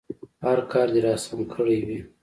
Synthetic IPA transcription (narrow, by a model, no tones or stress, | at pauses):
haɾkʰɑɾd̪eɾɑsamkʰəɽewi